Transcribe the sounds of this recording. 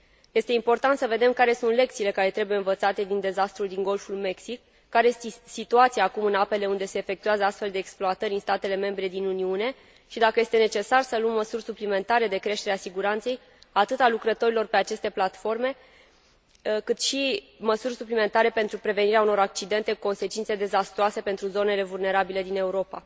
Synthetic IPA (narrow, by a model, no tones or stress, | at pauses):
je̞st̪e̞impo̞rt̪ant̪səve̞d̪e̞mkaɾe̞sunt̪le̞k̚t̪siːle̞kaɾe̞t̪ɾe̞buje̞ɨnvət̪sat̪e̞d̪ind̪e̞zast̪ɾuld̪iŋɡo̞lfulme̞ksikː | aɾest̪isit̪uat̪siaːkumɨnape̞le̞und̪e̞se̞ːfe̞kt̪ujazəast̪fe̞ld̪e̞ːksploat̪əɾʲinst̪at̪e̞le̞me̞mbɾe̞d̪inuniune̞ | ʃid̪akəje̞st̪ene̞t͡ʃe̞sarsəluəmːəsurʲsuplime̞nt̪aɾe̞d̪e̞kɾe̞ʃt̪e̞ɾeasiɡuɾant̪se̞j | at̪ɨt̪alukɾət̪o̞ɾilo̞rpe̞at͡ʃe̞st̪e̞plat̪fo̞rme̞ | kɨt̪ʃi | məsurʲsuplime̞nt̪aɾe̞pe̞nt̪ɾupɾe̞ve̞niɾeauno̞ɾak̚t͡ʃid̪e̞nt̪e̞kuko̞nse̞t͡ʃint̪se̞d̪e̞zast̪ɾoase̞pe̞nt̪ɾuzo̞ne̞le̞vulne̞ɾabile̞d̪ine̞uɾo̞pa̰